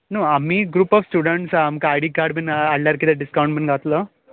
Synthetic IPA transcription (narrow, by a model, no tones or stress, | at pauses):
nuamiːɡɾuːpɔfsʈuɽəɳʈsaamkaːjɽiːkaɾɖbənalaɾkid̪eɖiskawɳʈbənɡʱat̪lə